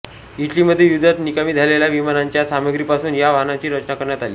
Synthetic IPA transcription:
iʈliːməd̪ʱːjejud̪ʱat̪nikamiːd͡zʱaleljaʋimanaɲt͡ɕjasaməɡɾiːpasuːnjaʋaɦnat͡ɕiːɾət͡ɕnakəɾɳjat̪aliː

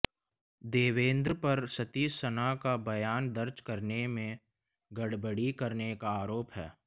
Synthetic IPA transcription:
d̪eːʋẽːnd̪ɾəpɐɾsɐt̪iːssənakabɐjaːnd̪əɾd͡ʒkɐɾnemẽ | ɡɐɽbəɽikɐɾnekaaːɾoːpɦɛː

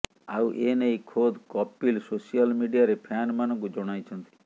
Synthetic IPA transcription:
a̰uʔenejkʰod̪ʱkɔpːilsosijɔlmiɖiaɾepʰanmanɔŋkud͡ʒɔɽ̃ajt͡ʃʰɔnt̪i̥

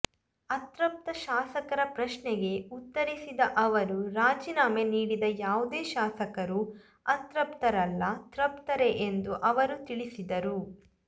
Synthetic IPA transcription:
ɐt̪ɾɐp̚t̪ɐʃaːsɐkɐɾɐpɾɐʃɳɛɡe̞ut̪ːɐɾisid̪ɐʔɐʋɐɾuɾaːd͡ʒiːnaːmeniːɽid̪ɐjaːʋud̪eːʃaːsɐkɐɾu | ɐt̪ɾɐpt̪ɐɾɐlːɐt̪ɾɐpt̪ɐɾe̞ʔend̪uʔɐʋɐɾut̪iɭisid̪ɐɾu

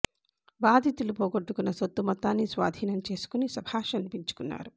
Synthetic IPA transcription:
baːd̪ʱit̪ulupoːɡoʈːukunːɐsot̪ːumɐt̪ːaːnːisʋa̰ːd̪ʱiːnɐmt͡ʃe̞ːsu̥kunisɐbʱaːʃɐnipiɲt͡ʃu̥kunːa̰ːɾu

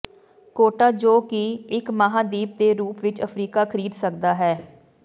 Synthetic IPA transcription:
koːʈaːd͡ʒoːkiːɪkmaɦãːd̪iːp̚d̪eːɾuːpʋɪt͡ʃəpʰɾiːkaːkʰəɾiːd̪sək̚d̪aːɦɛː

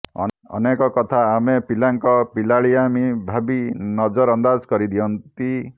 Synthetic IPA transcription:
ɔ̰ | ɔ̰nekɔkɔt̪ʰaːmepilaŋkɔpilaɭiamibʱabinɔd͡ʒɔɾɔnd̪ad͡ʒkɔɾid̪ijɔnt̪i

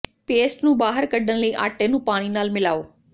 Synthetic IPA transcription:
peːsʈnũːbaːɦəɾkəɖənləiːʔa̰ːʈeːnũːpaːɽ̃iːnaːlmɪla̰ːoː

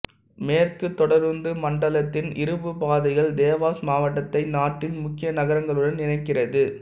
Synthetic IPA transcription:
meːrkɯt̪ːɔɽɐɾɯnd̪ɯmɐɳɖɐlɐt̪ːɪnɪɾɯbɯpaːðɐɪɣɐɭd̪eːʋaːsmaːʋɐʈːɐt̪ːɐɪnaːʈːɪnmʊkːɪjɐnɐɣɐɾɐŋɡɐɭɯɽɐnnɪnɐɪkːɪrɐðɯ

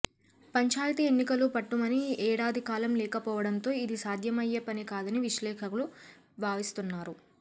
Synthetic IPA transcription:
pɐɲt͡ʃaːjt̪ie̞nːikɐlupɐʈːumɐniɛːɽaːd̪ʱikaːlɐmlɛːkɐpɔːʋɐɽɐnt̪o̞ːid̪isaːd̪ʱjɐmɐjːɐpɐnikaːd̪ɐniʋiʃlɛːkʰɐkulu | bʱaːʋist̪unːaːɾu

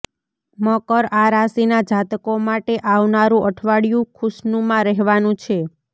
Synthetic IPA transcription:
mɔkəɾaɾasinad͡ʒat̪komaʈeʔaʋnaɾũʔəʈʰʋaɽjũkʰʊʃnũmãɾɛɦʋanũt͡ʃʰe

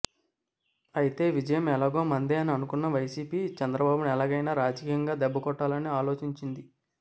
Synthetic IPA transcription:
ɐjit̪e̞ːʋid͡ʒɐjɐmɛlaːɡoːmɐnd̪eːɐniɐnukunːɐʋɐjsiːpiːt͡ʃɛnd̪ɾɐbaːbunɐɛlaːɡɐjnaːɾaːd͡ʒɐkiːjɐŋɡaːd̪ɛbːɐkɔʈːaːlɐniaːlo̞ːt͡ʃiɲt͡ʃind̪i

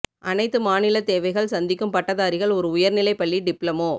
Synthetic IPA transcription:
ʔɐnɐɪt̪ːɯmaːnɪlɐt̪eːʋɐɪɣɐɭsɐnd̪ɪkːɯmpɐʈːɐðaːɾɪɣɐɭɔɾɯʊjɐɾnɪlɐɪpːɐɭːiɖɪpɭɐmoː

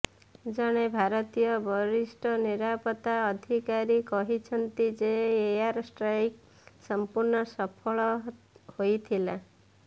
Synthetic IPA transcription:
d͡ʒɔɽ̃ebʱaɾɔt̪ijɔbɔɾisʈɔniɾapɔt̪aɔd̪ʱikaɾikɔɦit͡ʃʰɔnt̪id͡ʒeːaɾsʈɾajk | sɔmpuɾɳɔsɔpʰɔɭɔ | hojt̪ʰila

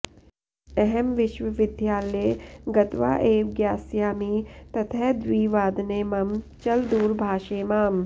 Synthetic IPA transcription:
ɐɦɛmʋɪʃʋɐʋɪd̪ʱjaːleːɡɐt̪ʋa̰ːʔeːʋɡjaːsjaːmiːt̪ɐt̪ʰɛːd̪ʋiːʋaːd̪neːmɐmt͡ʃɐld̪uːɾbʱaːʃeːmaːm

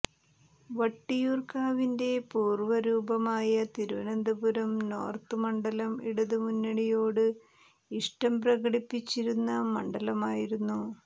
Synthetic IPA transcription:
ʋɐʈːijuːrkaːʋinde̞puːrʋɐɾuːbɐmaːjɐt̪iɾuʋɐ̰nɐnd̪ɐbuɾɐmno̞̰ːrt̪ɨmɐɳɖɐlɐmḭɽɐðɨmunːɐɽijo̞ːɽɨ | iʂʈɐmprɐɣɐɽipːit͡ɕːiɾunːɐmɐɳɖɐlɐmaːjiɾunːu

